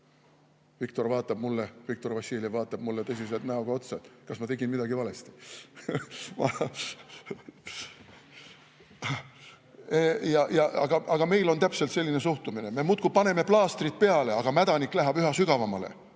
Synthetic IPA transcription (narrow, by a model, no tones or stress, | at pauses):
vikt̪o̞rvɑːt̪ːˑɑb̥̚mulːevikt̪o̞rvɑsʲːiːlivɑːt̪ˑːɑb̥̚mulːet̪ɤs̬ʲiselt̪næuɡ̥ɑo̞t̪sed̪̥kɑsmɑt̪e̞ɡinmid̪̥ɑɡivɑle̞st̪i̥ | mɑ | ejɑjɑʔɑ̰ɡ̥ɑʔɑɡ̥ɑme̞jlo̞nt̪æpse̞lt̪se̞lʲːine̞suht̪umine̞me̞mut̪̚kupɑne̞me̞plɑːst̪rit̪̚pe̞ɑle̞ɑɡ̥ɑmæd̪̥ɑnikːˑlæɦɑb̥yɦɑsyɡ̥ɑvɑmɑle̞̰